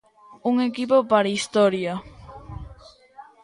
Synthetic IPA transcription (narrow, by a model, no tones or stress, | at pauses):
uŋekipopaɾaist̪ɔɾjɐ